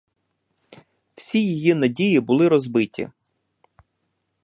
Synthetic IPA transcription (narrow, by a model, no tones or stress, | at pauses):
w̥sʲijijinɐdʲijibʊlˠɪɾɔzbɪtʲḭ